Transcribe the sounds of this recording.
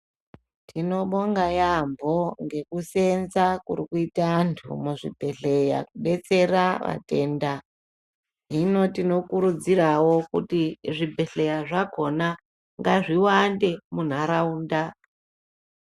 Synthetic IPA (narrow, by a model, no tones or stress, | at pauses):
tʰino̞ɓoŋɡajambo̞ŋɡe̞kuse̞nzakurikuitaantʰṵmuʐibʱe̞ɬe̞ja̰kuɓe̞t͡se̞raʋa̰te̞ːnda | ɦino̞tino̞kuɾud͡zirawo̞kṵtiʐibʱe̞ɬe̞jaʐako̞na | ŋɡaʐiwande̞mun̤aɾauːnda